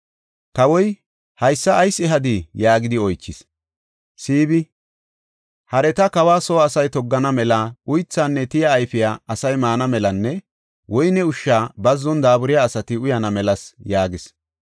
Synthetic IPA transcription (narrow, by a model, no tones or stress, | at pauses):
kɐwɔj | hɐjsːɐːjsɛɦɐd̪ɪjaːɡɪd̪ɪɔjt͡ʃːɪs | siːbɪ | hɐɾɛt̪ɐkɐwaːsɔːɐsɐjt̪ɔɡːɐnɐmɛlaʊjt͡sːaːnːɛt̪ɪjɐːjfɪjaːʔɐsɐjmaːnɐmɛlɐnːɛ | wɔjnɛʊʃːaːbɐzːɔnd̪aːbʊɾɪjaːsɐt̪ɪʊjɐnɐmɛlɐsjaːɡɪs